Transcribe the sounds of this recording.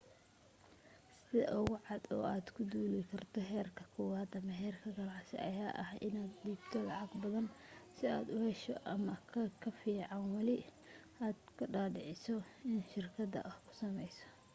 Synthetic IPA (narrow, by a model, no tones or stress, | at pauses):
sɪðɐ̰ʔʊɣʊʕɑd̪ɔ̰ːaːd̪kʰʊd̪uːlɪkʰɐrt̪ʰɔɦɛːrkʰɐ̥kʰɔːwaːd̪ɐmɐɦɛːrkʰɐɡɐlɑʕsɪ̰ɐ̰jaːʔɐhʔɪnaːd̪d̪iːbt̪ʰɔlɑʕɑɡbɐðɐnsɪa̰ːd̪ʊhɛʃɔʔɐmɐkʰkʰɐfiːʕɑnwɑlɪ | ʔaːd̪kʰɐɖaːɖɪʕɪsɔɪnʃɪrkʰɐd̪ɐ̰ʔɐhkʰʊ̥sɐmɛjsɔ̥